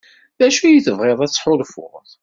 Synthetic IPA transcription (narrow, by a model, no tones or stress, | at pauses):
ðæʃujiθəvʁeðˤæθːħʊðfʊ̰ʁθ